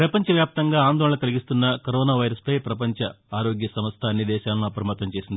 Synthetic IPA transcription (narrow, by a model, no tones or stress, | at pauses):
pɾɐpɐɲt͡ʃɐʋjaːp̚t̪ɐŋɡaːaːnd̪ɔːɭɐnɐkɐliɡist̪unːɐkɐɾɔːnaːʋɐjɾɐspɐjpɾɐpɐɲt͡ʃɐ | aːɾo̞ːɡjɐsɐmɐst̪ʰɐːnːid̪ɛːʃaːlnuɐpɾɐmɐt̪ɐɲt͡ʃe̞ːsind̪ii